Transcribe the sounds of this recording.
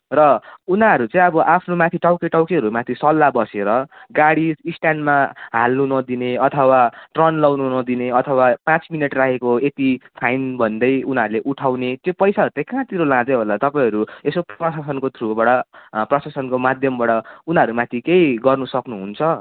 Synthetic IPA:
rʌunaɾut͡sãĩʌbʌʔapʰnomãt̪ʰiʈawkeʈawkeʌɾumat̪ʰisʌlːabʌseɾʌɡaɽid͡zisʈjanmaɦalnunʌd̪ineʌt̪ʰʌwaʈrʌnlʌwnunʌd̪ineʌt̪ʰʌwapãt͡smineʈrakʰekoet̪ipʰajnbʱʌnd̪ʌjunaɾuleʔuʈʰawnet̪jopʌjsaʌɾut͡sãĩkãt̪iɾolãd͡zeɦolat̪ʌpaĩʌɾuesoprʌsasʌnkot̪ʰrubaɽʌprʌsasʌnkomad̪ʱjʌmbaɽʌunʌɾumãt̪ʰikejɡʌrnusʌknuɦunt͡sʰʌ

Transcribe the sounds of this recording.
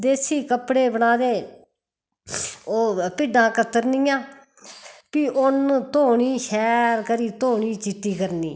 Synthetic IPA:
d̪eːsiːkəpɽeːbəɳaːd̪eː | oːpɪɖãːkət̪ːəɾniːãː | piːʔʊnt̪oːɳiːʃɛːɾkəɾiːt̪oːɳiːt͡ʃɪʈːiːkəɾnḭː

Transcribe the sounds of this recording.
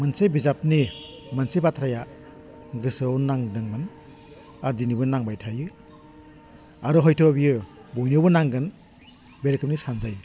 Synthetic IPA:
mansejbizapni | mansejpatʰɾaja | ɡɯsɯwnaŋdɯŋmɯn | aɾdinibɯnaŋbajtʰajɯ | aɾɯɦɔjtʰɔbijɯbojnɯbɯnaŋɡɯn | beɾkɯp̚nisanzaj

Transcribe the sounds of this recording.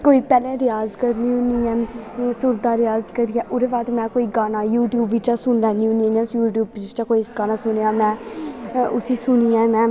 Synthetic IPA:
koːiːpɛːlɛ̃ːɾɪjaːzkəɾnĩːɦʊ̃niːɛ̃ːsʊɾd̪aːɾɪjaːzkəɾiːaːʔʊɾeːbaːt̪mɛ̃ːkoːiːɡaːnaːjuːʈjuːbɪt͡ʃaːsʊnlɛːniʊnĩnɛ̃ːjuːʈjuːbt͡ʃaːkoːisɡaːnãːsʊneãːmɛ̃ː | ʔʊsiːsʊniːɛ̃ːmɛ̃ː

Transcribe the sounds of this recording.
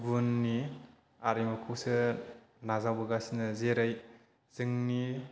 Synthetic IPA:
bunːi | aɾijmɐkʰuwsɯ | nazawbɯɡasinɯzeɾɯj | z̥ɯŋni

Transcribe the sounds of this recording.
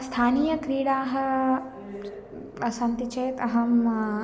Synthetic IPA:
st̪ʰaːniːjɐkɾiːɽaːɦɐ | ɐsɐnt̪it͡ʃɐjt̪ɐɦɐm

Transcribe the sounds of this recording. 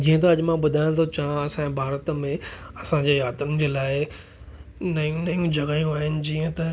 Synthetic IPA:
d͡ʑĩːə̃t̪ɐɐʄmãɓʊd̪ʱaːɪ̃l̃t̪ʰot͡ɕãɐsãẽbʱaːɾət̪mẽɐsãɲd͡ʑeːjaːt̪ʊnɪ̆d͡ʑeːlaːɪ | nɐjũnɐjũd͡ʑʱɐɡaːjũaːɦɪnɪ̆d͡ʑiːə̃t̪ɐ

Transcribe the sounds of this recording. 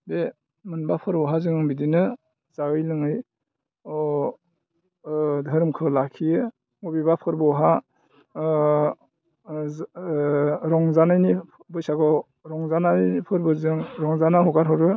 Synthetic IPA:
be | mɯnbapʰɯɾbɔɦazɯŋɯŋbidinɯ | zaɡɯjlɯŋɯj | ɔ | dʱɯɾmkʰɯlakʰijɯ | ŋubibapʰɯɾbɔɦa | ɾɔŋzanajni | bɯjsaɡɔ | ɾɔŋzanaipʰɯɾbɯzɯŋɾɔŋzanaɦɔɡaɾɦɔɾɯ

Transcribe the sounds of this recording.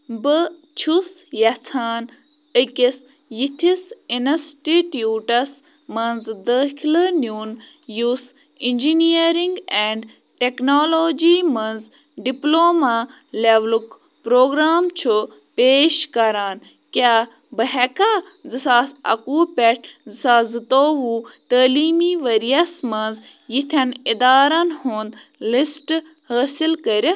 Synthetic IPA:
bɨ | t͡ʃʰus | jɐt͡sʰaːn | əkis | jit̪ʰisinɐsʈiʈjuːʈɐs | mɐnzd̪əkʰilənjuːn | jus | ind͡ʒiniɐɾiŋɡɛːɳɖ | ʈeknoːloːd͡ʒimɐnz | ɖiploːma | leʋlk | pɾoːɡɾaːmt͡ʃʰu | peːʃkɐɾaːn | kʲaː | bɐɦɛka | zɨsaːsɐ̰kuːpɛʈʰzɨsaːzɨt̪oːʋuːt̪əːliːmiʋɐɾijɐsmɐnz | jit̪ʰɐnid̪aːɾɐnhũːnd̪ | lisʈ | həːsilkəɾʲɐ

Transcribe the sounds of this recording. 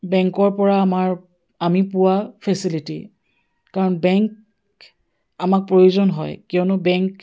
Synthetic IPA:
bɛŋkɔɹpɔɹaːmaɹ | amipʊwapʰɛsilitḭ | kaɹɔnbɛŋk | amak̚pɹojuzɔnɦɔjkɛʊnʊbɛŋk

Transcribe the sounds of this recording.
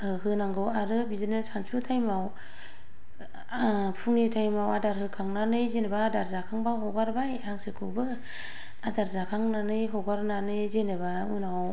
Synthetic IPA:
ɯɦɯnaŋɡɯwaɾɯbizɯnɯsansʰutʰajmaw | pʰuŋnitʰajmawadaɾɦɯkʰaŋnanɯjzenbadaɾzakʰaŋbaɦɔɡaɾbajaŋsɯkʰɯbɯ | adaɾzakʰaŋnanɯjɦɔɡaɾnanɯjzenɯba | ɯnaw

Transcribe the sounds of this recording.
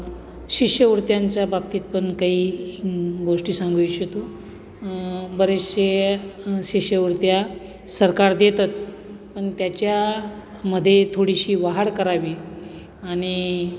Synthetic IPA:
ɕiʂjəuɾt̪jaɲt͡ɕjabab̚t̪iːt̪̚pəɳkaɦiː | ɡoʂʈiːsãŋɡujt͡ɕet̪u | bəɾeɕe | ɕiɕjəuɾt̪ja | səɾkaɾd̪et̪ət͡s | pəɳt̪jat͡ɕja | məd̪ʱːjet̪ʰoɽiɕiːʋaɦaɽkəɾaʋi | aɽ̃i

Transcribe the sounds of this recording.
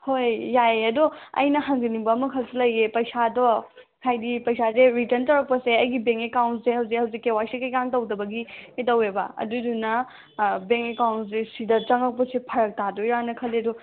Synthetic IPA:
hojjajeɐdoɐ̰jnɐhɐŋɡinibɐːmɐkʰɐlsilɐjepɐjsadɔ | kʰajdipɐjsazeɾitɐntɐɾɐk̚pɐseɐjɡibeŋkekawntsehɐwzikhɐwzikːewasekɐjkaŋtɐwdɐbɐɡietɐweba̰ɐ̰dudunɐ | beŋkekawnsesidɐt͡ʃɐŋɐk̚pɐsepʰɐɾɐk̚tadojɾanɐkʰɐledɔ

